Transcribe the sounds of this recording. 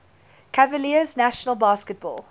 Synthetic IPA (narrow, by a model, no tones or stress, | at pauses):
kʰavəliəznæʃənəlˠbɑːskət̚b̥ɔ̰ːlˠ